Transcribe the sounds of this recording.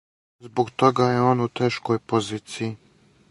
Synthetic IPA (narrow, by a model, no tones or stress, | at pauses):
zbokt̪oɡajeoːnut̪eːʃkojpoziːt̪siji